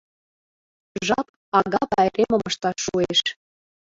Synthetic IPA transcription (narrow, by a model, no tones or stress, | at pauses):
ʒɑp | ɑɣɑpɑeɾemə̆mə̆ʃt̪ɑʃːueʃ